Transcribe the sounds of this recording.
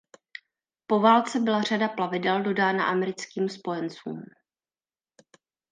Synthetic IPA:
po̞vaːlt͡sɛbɪlar̝adaplavɪdɛldo̞daːna̰ʔamɛɾɪt͡skiːmspo̞jɛnt͡sṵːm

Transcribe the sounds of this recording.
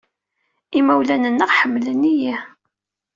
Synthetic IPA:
imæwlænənːəʁħəmːlənːiji

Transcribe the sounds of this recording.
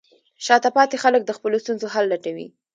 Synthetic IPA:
ʃɑt̪apɑt̪exalək̚d̪əxpəlost̪unzoɦalːaʈawḭ

